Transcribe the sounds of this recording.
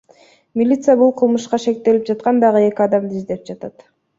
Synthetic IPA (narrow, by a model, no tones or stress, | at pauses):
mʲɪlʲit̪sɨjabulˠqʰɯlˠmɯʃqɑʃe̞k̚t̪e̞lip̚d͡ʒɑt̪qɑnd̪ɑʁɯe̞kʲiɑd̪ɑmd̪izd̪e̞p̚d͡ʒɑt̪ɑt̪